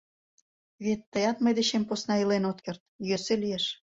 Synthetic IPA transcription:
βet̪ːəjɑt̪məjd̪et͡ɕemposnɑilenot̪̚kert̪̚jøselieʃ

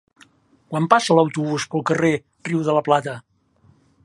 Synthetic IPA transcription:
kwampasələwt̪uβuspəlˠkəre | riwðələplat̪ə

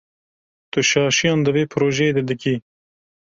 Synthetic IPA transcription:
t̪ʊʃɑːʃijɑ̃ːnd̪əveːpʰɾoːʒɛed̪ɛd̪ɨki

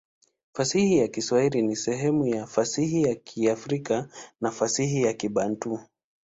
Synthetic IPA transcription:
fasihijakiswahiɾinisɛɦɛmujafasihijakʰiafɾikanafasihijakiɓan̩tu

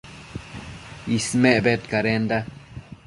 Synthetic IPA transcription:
ismeʔbet̪kaɾend̪a

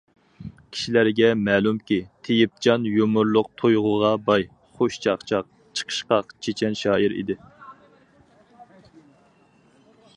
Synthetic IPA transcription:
kʲʰi̥ʃilæɾɡʲɛmɛːlumkʲit̪ʰejip̚t͡ʃʰɑnjomʊɾlˠʊq̚t̪ʰojʁʊʁɑbɑj | χoʃt͡ʃʰɑχt͡ʃʰɑq̚ | t͡ʃʰə̥qʰə̥ʃqɑqt͡ʃʰet͡ʃʰɛnʃɑːiɾḭd̪ɪ

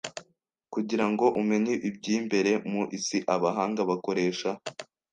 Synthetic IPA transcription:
kuɟiɾaŋɡo̞ʔume̞ɲiʔib̚ɟiːmbe̞ɾe̞muʔisiʔaβaɦaːŋɡaβako̞ɾe̞ːʃa

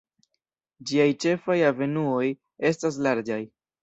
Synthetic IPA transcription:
d͡ʒiajt͡ʃe̞fajave̞nuo̞j | e̞stas̬laɾd͡ʒaj

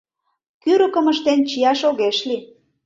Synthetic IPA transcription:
kyɾəkə̆məʃt̪ent͡ɕijɑʃoɣeʃli

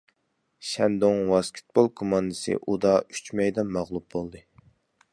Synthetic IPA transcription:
ʃɛnd̪oŋwɑskʲʰɪ̥t̪̚bolˠkʰomɑnd̪ɨsɨ̰ʔud̪ɑyt͡ʃmɛjd̪ɛmːɑʁlˠup̚bolˠd̪ɨ

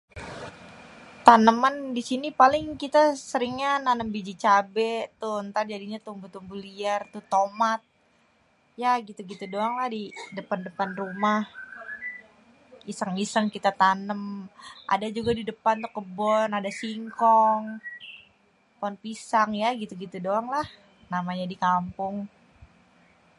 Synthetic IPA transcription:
t̪anəmandisinipalɪŋkit̪asəɾɪŋɲananəmbid͡ʒit͡ʃabɛʔt̪ʊnt̪ard͡ʒadiɲat̪umbut̪umbuliart̪uht̪omat̪̚ | jaɡit̪uɡit̪udoaŋlahdidəpandəpanrumah | isəŋisəŋkit̪at̪anəmʔa̰dad͡ʒuɡadidəpant̪ʊkəbɔnadasiŋkɔŋ | pɔnpisaŋjaɡit̪uɡit̪udoaŋlah | namaɲadikampʊŋ

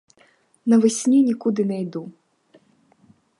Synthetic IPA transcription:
nɐvɪsʲnʲunʲikud̪ɨnɛjd̪u

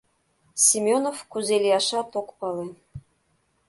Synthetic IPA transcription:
sʲimʲonofkuzelʲijɑʃɑt̪okpɑlˠe

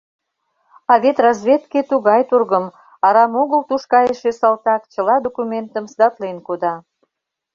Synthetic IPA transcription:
ɑβet̪rɑzβʲet̪ket̪uɣɑjt̪urɣəm | ɑɾɑmoɣəlt̪uʃkɑjəʃesɑlt̪ɑkt͡ɕə̆lɑd̪okumʲent̪əmsd̪ɑt̪lenkod̪ɑ

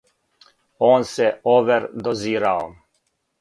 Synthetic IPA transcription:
oːnsɛoʋɛɾd̪oziːɾao̰

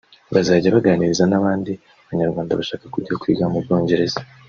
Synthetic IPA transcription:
βazaːɟaβaɡaniɾizanaβaːndi | aβaɲaɾɡwaːndaβaʃaːkakuɟiokwḭːɡamuβjo̞ːɲɟe̞ɾe̞z̥a

